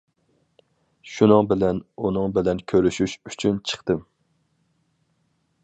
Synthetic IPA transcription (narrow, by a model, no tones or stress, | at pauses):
ʃunɨŋbɪlɛnunɨŋbɪlɛnkʲʰøɾyʃyʃyt͡ʃʰynt͡ʃʰə̥χt̪ɨm